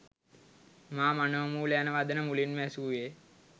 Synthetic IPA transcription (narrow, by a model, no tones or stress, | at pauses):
maːmanəʋəmuːleanəʋaːd̪ənəmulinmæsuːje